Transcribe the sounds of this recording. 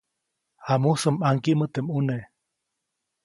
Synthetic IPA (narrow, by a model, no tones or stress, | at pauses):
hamusɨmaŋkiʔmət̪emune